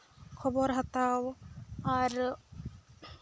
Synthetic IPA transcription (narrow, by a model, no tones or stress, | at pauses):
kʰɔbɔɾɦat̪awaɾ